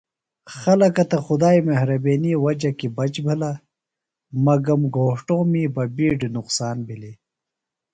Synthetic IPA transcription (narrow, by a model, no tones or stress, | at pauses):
xɐlɐkɐt̪ɐxud̪aːimeɦɾɐbeːniwɐd͡ʑɐkibɐt͡ɕbʱila | mɐɡɐmɡʱoːʂʈõːmiːbɐbiːɖnuqsaːnbili